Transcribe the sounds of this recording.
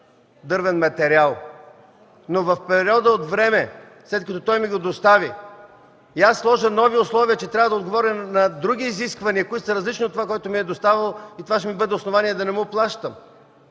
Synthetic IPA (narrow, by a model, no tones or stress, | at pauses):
d̪ɤɾvɛnmɐt̪ɛɾialˠ | novɐfpɛɾiɔd̪əot̪vɾɛmɛ | slɛt̪̚kɐt̪ɔt̪ɔjmiɡod̪ost̪aviː | asːlˠɔʒənɔviʊslˠɔviət͡ʃɛt̪ɾʲavəd̪ɐod̪ɡovɔɾʲənɐd̪ɾuɡ̟ʲiːziskvɐniəkoit̪sɐɾɐzlit͡ʃniot̪ːovakoɛt̪omiɛd̪ost̪avəlˠit̪ovaʃɛmibɤd̪ɛosnovaniɛd̪ɐnɛmuplˠaʃt̪əm